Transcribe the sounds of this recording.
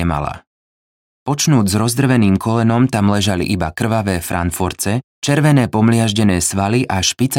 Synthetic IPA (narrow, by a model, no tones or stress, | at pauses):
ɛma̰la̰ | pɔt͡ʃnuːɟzɾɔzd̪r̩ʋɛniːmkʰɔlɛnɔmt̪amlɛʒalḭʔibakr̩ʋaʋɛːfɾʔa̰nfuɾt͡sɛ | t͡ʃɛɾʋɛnɛːpɔmlɪaʒɟɛnɛːsʋaliʔaʃpit͡s